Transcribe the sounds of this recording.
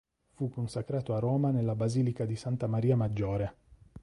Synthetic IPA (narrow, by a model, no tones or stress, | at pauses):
fukːonsakɾaːt̪oaroːmanelːabaziːlikad̪isant̪amaɾiːamad͡ʒːoːɾe